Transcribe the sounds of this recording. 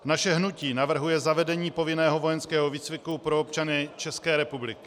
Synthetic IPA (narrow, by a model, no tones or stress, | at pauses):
naʃɛɦnuciːnavr̩ɦujɛzavɛdɛɲiːpo̞vɪnɛːɦo̞vo̞jɛnskɛːɦoviːt͡svɪkupɾoop̚t͡ʃanɪt͡ʃɛskɛːɾɛpublɪkɪ̥